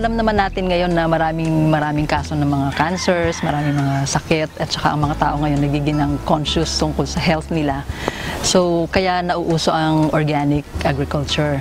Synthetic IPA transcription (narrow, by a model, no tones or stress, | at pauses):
ʔɐlɐmnɐmanːaːt̪ɪnŋɐjo̞nːɐmɐɾaːmɪŋmɐɾaːmɪŋkaːso̞nɐŋmɐŋakansɛɹsmɐɾaːmɪŋmɐŋasɐkɛt̪ʔɐt̪̚t͡ʃɐ̥ka̰ʔɐŋmɐŋat̪a̰ːʔo̞ŋɐjo̞nːɐɡiːɡɪnɐŋkonʃʊst̪ʊŋkolsɐɦɛlt̪nɪlasowkɐjanɐʔuːʔuːso̞ʔɐŋʔoɹɡaːnɪkʔaɡɾɪkʊlt͡ʃʊɹ